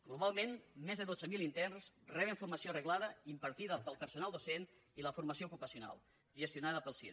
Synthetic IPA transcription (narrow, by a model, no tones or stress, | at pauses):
ɡ̥luβalˠmenmɛzðəðod͡zəmilint̪ɛnsrɛβ̞əɱfurməsiorəɣlaðəimpəɾt̪iðəpəlˠpəɾsunalˠd̪osent̪ | iləfuɾməsioukupəsijuna̰lˠ | ʒəst̪iunaðəpəlˠsi